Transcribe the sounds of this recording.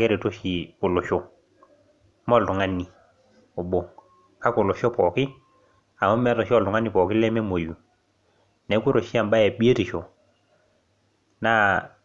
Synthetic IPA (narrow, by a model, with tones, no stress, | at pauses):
kɛ˦ɾe˨to˦ʃi˨kʊ˨lʊ˨ʃo˦ | mɔ˦ltu˨ŋa˦nːi˨ | o˨bo˨ | ka˦kʊ˨lʊ˨ʃɔ˦pɔ˨kɪ˦ | a˨ma˦mɛ˦tɔ˨ʃɔ˦ltʊ˨ŋa˦ni˨pɔ˨kɪ˦lɛ˦mɛ˦mo˨ju˨ | nɛ˨˦ku˦ɾo˨ʃi˦a˨mba˦jɛ˨ɓi˦e˦ti˨ʃo˨ | na˦